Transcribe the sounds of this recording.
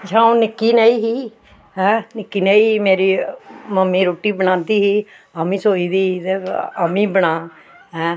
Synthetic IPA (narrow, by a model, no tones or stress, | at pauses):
d͡ʒãːõnɪkːiːnaiːɦiː | ɦɛ̃ːnɪkːiːnaːiːiːmeːɾiːməmːiːɾoːʈiːbəɽ̃ãːd̪iːɦiː | aːmĩːsoːiːd̪iːiːt̪eaːmĩːbəɽ̃aː | ɦɛ̃ː